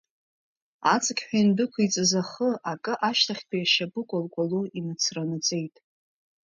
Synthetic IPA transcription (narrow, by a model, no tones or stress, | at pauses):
at͡sʼɨkʲʼħʷᶣainbɨkʷʰait͡sʼɨzaχəakʼɨʔaʃtʰaχʲtʰʼijaʃabɨkʷʼolkʷʼaluinɨt͡sʰranɨt͡sʼe̞jtʼ